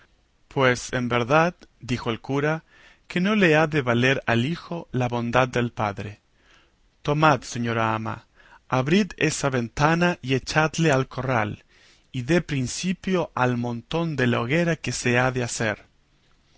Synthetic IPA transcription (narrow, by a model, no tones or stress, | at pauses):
pwesembeɾðat̪̚d̪ixoelkuɾa | keno̞leaðeβale̞ɾalixolaβo̞nd̪ad̪̚d̪e̞lpaðɾe | t̪o̞mat̪seɲoɾaama̰ | aβɾit̪esaβe̞nt̪anaʔiet͡ʃad̪lealkʰoral | iðepɾinsipjoʔalmõnt̪o̞nd̪elaoɣeɾakeseaðeaseɾ